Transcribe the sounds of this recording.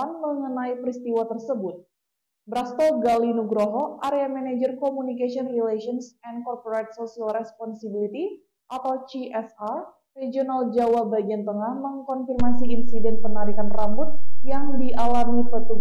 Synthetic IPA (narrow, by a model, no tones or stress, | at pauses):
anməŋənaipɾist̪iwat̪ərsəbʊt̪̚ | bɾast̪ɔlɡalinuɡɾoɦɔʔaɾeamɛnad͡ʒərkɔmunikasiɔnrilasiɔnsɛnkɔrpoɾajt̪̚sosialrɛspɔnsibilit̪i | ʔat̪awt͡ʃiʔɛsa | red͡ʒionald͡ʒawabaɡiant̪əŋahməŋkɔnfirmasiinsidɛnpənaɾikanrambʊt̪̚jaŋdiʔalamɲipət̪u